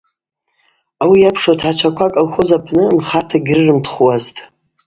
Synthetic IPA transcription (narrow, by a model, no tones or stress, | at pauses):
awijapʰʂatʰħat͡ʃʷʰakʷʰakʼalxʷozapʰnɨnχatʰaɡʲrɨrɨmtʰχwaztʼ